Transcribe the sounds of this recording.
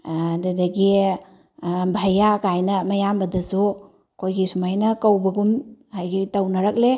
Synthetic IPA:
dadaɡi | bʱajakajnɐmɐjambɐdɐsu | kʰojɡisumajnɐkawbɐɡumhajɡitawnɐɾak̚le

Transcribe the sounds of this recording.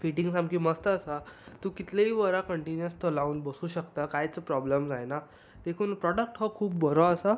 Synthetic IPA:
fiʈiŋsamkiːməst̪əːsat̪ũːkit̪leiʋəɾakəɳʈinjəst̪əlauːnbəsuːɕəkt̪akajt͡səpɾɔbləmd͡zajna | d̪ekʰuːnpɾɔɽək̚ʈɦɔkʰuːp̚bʱəɾɔəsa

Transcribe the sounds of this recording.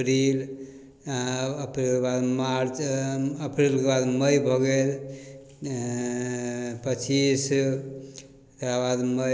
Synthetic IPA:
ɾil | əpɾilkebad̪maɾt͡ʃəpɾilkebad̪məjbʱɔɡel | pət͡ʃis | t̪abad̪mə

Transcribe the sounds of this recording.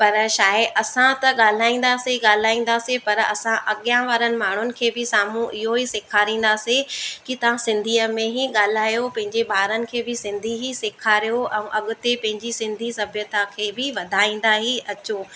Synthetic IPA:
pɐɾʃaːɪʔɐsãt̪ɐɠaːl̤aːĩːn̆d̪aːseɠaːl̤aːĩːn̆d̪aːsipɐɾɐ̰sãʔɐɠijãʋaːɾənɪ̆maːɳ̤ʊnɪ̆kʰeːbɪsaːm̤ũʔɪɦoisɪkʰaːɾĩːn̆d̪aːsikɪt̪ɐʋ̤ãsɪ̃nd̪ʱiːəmẽɦiɠaːl̤aːjopɐ̃ɦɪ̃ɲd͡ʑebʱaːɾənɪ̆kʰeːbɪsɪ̃nd̪ʱiɦisɪkʰaːɾijoʔɛ̃ũʔɐɠʊ̆t̪epɐ̃ɦɪ̃ɲd͡ʑisɪ̃nd̪ʱisɐbʱjət̪akʰeːbɪʋɐd̪ʱaːĩːn̆d̪aːɦiɐt͡ɕoː

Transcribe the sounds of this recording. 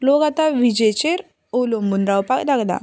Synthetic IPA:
loɡat̪aʋid͡ʑet͡ɕeɾ | olombunɾawpakd̪aɡd̪a̰

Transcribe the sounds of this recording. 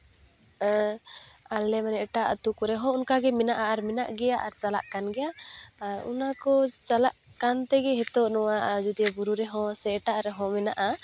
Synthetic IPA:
alɛmanɛʈaʔt̪ukɔɾɛɦɔ̃unkaɡɛmɛnaʔaːɾmɛnaʔɡɛjaʔaɾt͡ʃala̰ʔkanɡɛjaːɾṵnakɔt͡ʃalaʔkant̪ɛɡɛɦɛt̪ɔʔnɔwaʔd͡ʒud̪ijɔbuɾuɾɛɦɔ̃sɛʈaʔɾɛɦɔ̃mɛnaʔa

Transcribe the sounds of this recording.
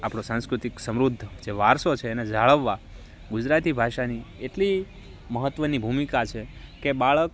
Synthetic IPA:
apɽ̃osãñskɾut̪iksəmɾud̪ʱːd͡ʒeʋaɾsot͡ʃʰeːned͡ʒaɭəʋːa | ɡud͡ʒɾat̪ibʱaʃanieʈli | məɦət̪ːʋənibʱumikat͡ʃʰekebaɭək

